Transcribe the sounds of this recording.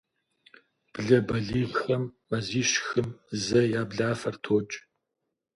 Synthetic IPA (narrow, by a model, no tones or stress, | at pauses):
b̥ɮɐbɐɮiːɮxɐmːɐziːɕxɨmzɐjaːbɮaːfɐrtʰoːt͡ʃʼ